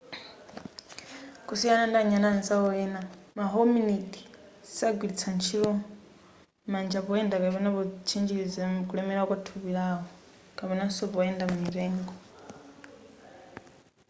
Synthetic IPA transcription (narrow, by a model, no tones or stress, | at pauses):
kʼusianandaɲananzaɔɛna | maɦɔminiti̥ | saɡwilit͡sʰant͡ʃʰiɺɔ | mand͡ʒaβɔɛndakapɛnaβɔt͡ʃʰind͡ʒiɺid͡zɛkʼulɛmɛɺakwatʰuβiɺaɦɔ | kʼapɛnasɔβɔɛndammiɾɛːŋɡɔ